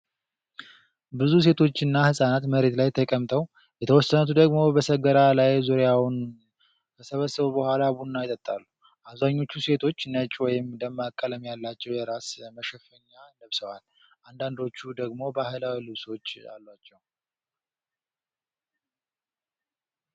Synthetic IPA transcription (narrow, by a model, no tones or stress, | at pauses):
bɨzus̬e̞t̪ʰo̞t͡ʃːɨnːahɨsʼanat̪məɾe̞t̪lajt̪ʰəkʼəmt̪ʰəw | jɛt̪ʰəwɔsːənət̪ʰud̪əɡmo̞bəsəɡəɾalajzuɾjawn | bəsəβəsːəβubəhʷalabunːajt̪ʼət̪ʼːalːu | ʔaβzaɲːo̞t͡ʃːuse̞t̪ʰo̞t͡ʃːnət͡ʃʼwɔjɪmd̪əmːakʼːələmjalːat͡ʃːɛwjɛɾasməʃɛfəɲːanəβsəwal | ʔand̪and̪o̞t͡ʃːud̪əɡmo̞bəhajlawilɨβso̞t͡ʃːa̰lːat͡ʃːɛw